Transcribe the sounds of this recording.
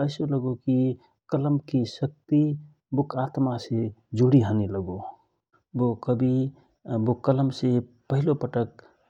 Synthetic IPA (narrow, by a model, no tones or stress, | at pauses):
əɪsoləɡoki | kələmkisək̚t̪i | bukʰat̪mased͡ʒuɽiɦəniləɡo | bokəbi | bokələmse | pəɦilopəʈək̚